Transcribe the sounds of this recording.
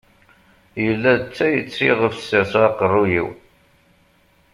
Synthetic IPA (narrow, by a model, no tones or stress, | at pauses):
jəlːæt͡sːæjət͡sːiʁəfsæsɑqərˤːujḭw